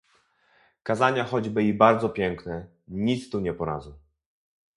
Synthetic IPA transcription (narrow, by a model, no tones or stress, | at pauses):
kazaɲaxɔd͡ʑbɘibaɾd̪zɔpʲjɛŋknɛ | ɲit̪st̪uɲɛpɔɾa̰zɔ̃